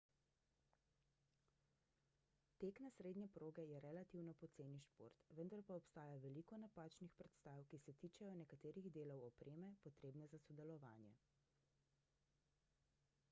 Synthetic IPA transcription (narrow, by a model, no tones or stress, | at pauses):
t̪eːknasɾeːd̪nʲjɛpɾoːɡɛjɛɾɛlat̪iwnɔpɔt̪seːniʃpo̰ːɾt̪ʋənd̪aɾpaɔpst̪aːjaʋɛlikɔnapaːt͡ʃnixpɾɛt̪st̪aːwkisɛt̪iːt͡ʃɛjɔnɛkat̪eːɾiɣd̪eːlɔwɔpɾʔeːmɛpɔt̪ɾeːbnɛzasɔd̪ɛlɔʋa̰ːnjɛ̰